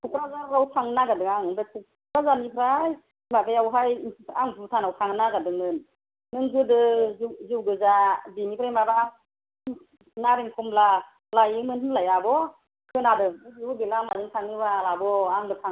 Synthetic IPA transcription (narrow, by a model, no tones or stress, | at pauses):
tʰukɾazaɾawtʰaŋnaɡadɯŋaŋbetʰukɾazanipʰɾaj | mabajawɦajintʰaŋputʰanawkʰaŋnaɡadɯŋmɯn | nɯŋɡɯdɯzuwɡɯzabimipʰɾajmabaŋ | naɾɛŋkʰumla | lajimɯnhɯnlajabɔ | kʰɯnadɯubiubelamazɯŋkʰaŋiwalabɔaŋdɯkʰaŋ